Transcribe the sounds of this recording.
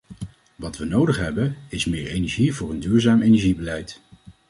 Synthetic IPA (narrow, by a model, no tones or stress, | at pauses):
ʋɑtʋənowdəχɦɛbəɪsmɪːɹejnɛɹʒivʊːɹəndyːɹzaːmejnɛɹʒibəlɛjt